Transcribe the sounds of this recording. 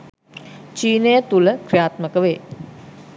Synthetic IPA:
t͡ʃiːnejət̪uləkɾijaːt̪məkəʋeː

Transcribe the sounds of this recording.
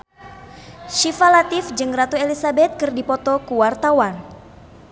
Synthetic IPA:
ʃifalat̪ɪfd͡ʒɨŋrat̪uelisabɛt̪̚kɨrdipɔt̪ɔkuwart̪awan

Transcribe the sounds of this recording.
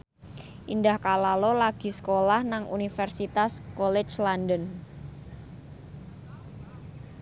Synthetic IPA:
ʔindahkalalolaɡ̥i̤sə̥kolahnaŋṵnifɛrsit̪askɔlɛ̥t͡ʃlandən

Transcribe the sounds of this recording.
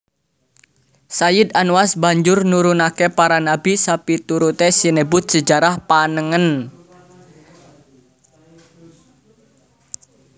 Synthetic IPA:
sajɪd̪anuasbaɲd͡ʒʊrnuɾunakepaɾanabisapit̪uɾut̪esinəbʊt̪̚səd͡ʒaɾahpanəŋən

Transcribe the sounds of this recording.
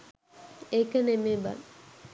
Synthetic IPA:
ekənemeːba̰n

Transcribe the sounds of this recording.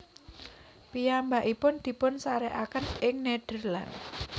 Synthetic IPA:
pijambaʔipʊnd̪̥i̤pʊnsaɾɛʔakənɪŋneɖ̥ə̤rla̰n

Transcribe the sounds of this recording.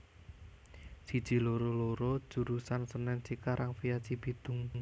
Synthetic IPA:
si̤̥ʒ̥i̤loɾoloɾo̥ʒ̥ṳɾusansənɛnsikaɾʔaŋfijasibid̪̥ʊ̤ŋ

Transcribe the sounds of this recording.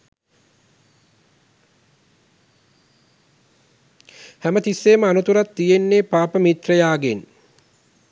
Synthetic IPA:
hæmət̪isːeːməanut̪uɾat̪ːijenːeːpaːpəmit̪rəjaːɡen

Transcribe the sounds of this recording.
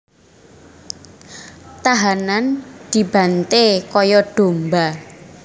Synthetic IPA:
t̪aɦanand̪̥i̤b̥a̤nt̪ekɔjɔɖ̥o̤mba

